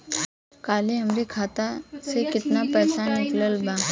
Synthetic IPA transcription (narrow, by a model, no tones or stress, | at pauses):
kaːliɦɐmɾikʰaːt̪asekɪt̪napɾɐsanɪkʰləlbaː